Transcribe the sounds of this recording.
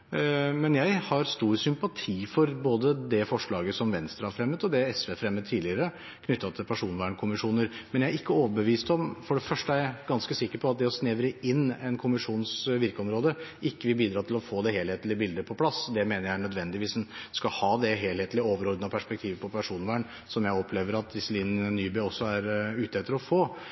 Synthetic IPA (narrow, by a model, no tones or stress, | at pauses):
mɛnjæɪhɑɾst̪uːɾsʏmpɑt̪ʰiːfɔɾboːd̪əd̪ɛfɔʂɭɑːɡəsɔmʋɛnst̪ɾəhɑɾfɾɛmːət̪ɔd̪ɛɛsʋefɾɛmːət̪t̪ʰːiːlɪəɾə | kʰnʏt̪ːɑt̪ʰɪlpʰæʂuːnʋæːɳkʰʊmɪʂuːnəɾmɛnjææɾɪkːəoːʋəbəʋiːst̪ɔmfɔɖɛfœʂʈəæɡɑnskəsɪkːəɾpʰɔɑt̪̚d̪ɛɔsnɛːʋɾəʔɪnːɛnkʰʊmɪʂuːnsʋɪɾkəɔmɾoːd̪əɪkːəʋɪlbiːd̪ɾɑːt̪ʰɪlɔfoːd̪ɛheːlheːt̪lɪəbɪld̪əpʰɔpʰlɑsːd̪ɛmeːnəɾjæɪɳœd̪ʋɛnd̪ɪʋiːsd̪ɛnskɑhɑːd̪ɛɦeːlheːt̪lɪəoːʋəɾɔɾd̪nɑpʰæʂpɛk̚t̪ʰiːʋəpʰɔpʰæʂuːnʋæːɳ | sɔmjæɪɔpʰleːʋəɾɑt̪̚d̪ɪsəliːnnyːbɛɔsːɔæɾʉːt̪əeːt̪ʰːəlɔfoː